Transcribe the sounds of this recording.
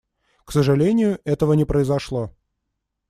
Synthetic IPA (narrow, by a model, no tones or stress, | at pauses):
ksəʐɨlʲenʲɪjʊʔɛt̪əvənʲɪpɾəɪzɐʂlˠo